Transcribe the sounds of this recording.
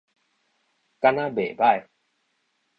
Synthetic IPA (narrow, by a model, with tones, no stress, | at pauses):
ka˧na˦be˨ba˦˥˨j